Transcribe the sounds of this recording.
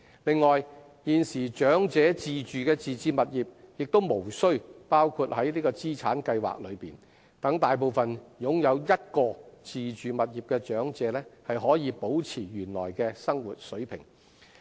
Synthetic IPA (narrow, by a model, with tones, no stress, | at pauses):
lɪ˨ŋːɔː˨j | jiː˨nsiː˨˩t͡ʃœː˨˥ŋt͡sɛː˨˥t͡siː˨t͡ʃyː˨kɛː˧t͡siː˨t͡siː˧mɐ˨t̚jiː˨˩p̚jɪ˨k̚t̪o˥wmo˨˩wsɵ˥ɥpaː˥wkʰu˧t̚hɐ˨˥jliː˥kɔː˧t͡siː˥t͡sʰaː˨˥nkɐ˧jwa̰ː˨k̚lɵ˨˧ɥpiː˨n | t̪ɐ˨˥ŋt̪aː˨jp̬o˨˧wfɐ˨njʊ˨˥ŋjɐ˨˧wjɐ˥t̚kɔː˧t͡siː˨t͡ʃyː˨mɐ˨t̚jiː˨˩p̚kɛː˧t͡ʃœː˨˥ŋt͡sɛː˨˧˥lɛː˥hɐ˨jɦɔː˨˥jiː˨˧po˨˥wt͡sʰiː˨˩jyː˨˩nlɔ̰ː˨˩jkɛː˧sɐ˥ŋwṵ˨t̚sɵ˨˥ɥpʰɪ̰˨˩ŋ